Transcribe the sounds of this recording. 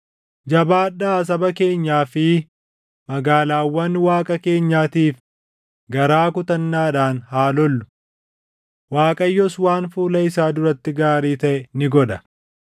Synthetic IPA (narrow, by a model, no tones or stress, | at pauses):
d͡ʒɐbaːᶑaːs̬ɐbɐke̞ːɲːaːfɪ | mɐɡaːlaːwːɐnwaːkʼɐke̞ːɲːaːt̪iːf | ɡɐɾaːkʊt̪ɐnːaːᶑaːnhaːlɔlːʊ̥ | waːkʼɐjːɔswaːnfuːlɐɪsaːd̪ʊɾɐt̪ːɪɡaːɾiːt̪ɐʔɛnɪɡɔᶑɐ